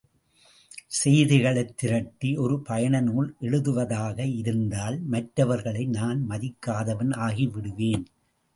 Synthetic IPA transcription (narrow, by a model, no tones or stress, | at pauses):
sɛjðɪɣɐɭɐɪt̪ːɪɾɐʈːiʔɔɾɯpɐjɐɳɐnuːɭʔɛɭɯðɯʋɐðaːɣɐɪɾɯnd̪aːlmɐʈɾɐʋɐɾɣɐɭɐɪnaːnmɐðɪkːaːðɐʋɐnaːɣiʋɪɽɯʋeːn